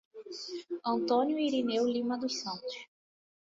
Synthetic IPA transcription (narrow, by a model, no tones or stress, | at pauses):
ɐ̃nt̪õnjʊiɾinewlĩmɐd̪ʊsɐ̃nt̪ʊ̥ʃ